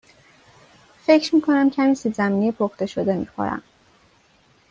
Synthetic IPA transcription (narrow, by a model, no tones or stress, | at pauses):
fe̞cʰɾmiːkʰo̞næmcʰæmiːsizæmiːnejepʰoxt̪e̞ʃod̪emḭːxo̰ɾæ̰m